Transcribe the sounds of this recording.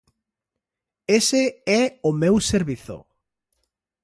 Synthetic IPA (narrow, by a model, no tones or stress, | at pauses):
eseɛʊmewseɾβiθo̰